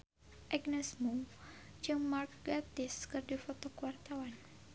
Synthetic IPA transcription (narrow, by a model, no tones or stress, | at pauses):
ʔɛɡnɛsmu | d͡ʒəŋmarkɡat̪ɪskɨrdifɔt̪okuwart̪awan